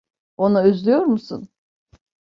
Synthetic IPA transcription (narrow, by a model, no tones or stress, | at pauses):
o̞naøzlʲyjo̞ɾmusun